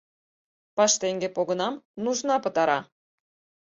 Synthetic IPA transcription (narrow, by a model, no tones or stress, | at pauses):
pɑʂt̪ʲeŋʲɡʲepoɡɤ̆nɑmnuʐnɑpɤ̆t̪ɑɾɑ